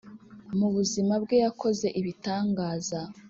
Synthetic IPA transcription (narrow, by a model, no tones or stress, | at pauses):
muβuzimabɡe̞jakʰo̞ze̞ʔiβitaːŋɡaːza